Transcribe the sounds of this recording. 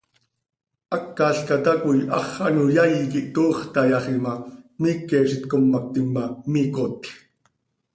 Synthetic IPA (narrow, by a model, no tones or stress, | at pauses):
ʔɑkːɑːɬkɑt̪ɑkujʔɑ̰χɑ̰nujajikiʔt̪oːχt̪ɑjɑχimɑmiːkːɛːʃit̪komːɑk̚t̪imːamiːkot̪